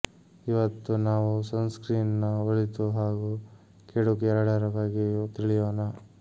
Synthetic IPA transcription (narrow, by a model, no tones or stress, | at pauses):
iʋɐt̪ːunaːʋusɐnskɾiːnnɐoɭit̪uɦaːɡu | keɽukiɛɾɐɽeɾɐʋaːɡit̪iɭijoːnɐ